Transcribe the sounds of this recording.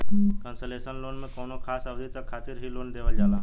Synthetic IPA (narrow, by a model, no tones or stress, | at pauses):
kənsəlesənlonnəkonokʰasəʋd̪it̪əkʰat̪iːɾɦiːlond̪eʋəld͡ʑala